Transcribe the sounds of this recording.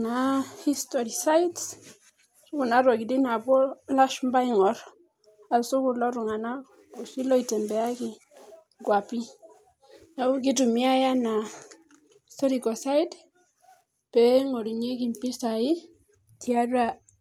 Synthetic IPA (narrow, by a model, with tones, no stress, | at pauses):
nahi˦stɔɾi˨sa˦jts | su˦ku˨na˦ɾɔ˨ki˨di˦na˨bɔ˦la˦ʃumba˦i˦ŋɔ˨ɾ | a˨su˦kulɔ˦ɾu˨ŋa˨na˦ | u˨si˦lɔ˦i˨tɛ˨mbɛ˨a˦ki˨ | ɡwa˨pi˦ | na˨u˦k̬i˦tu˨mi˦a˦ja˦na˨ | stɔ˦ɾikɔ˨sa˦id | pɛŋɔ˨ɾi˨ɲe˦k̬i˨mpi˦sa˨i˦ | tʰia˦ra˦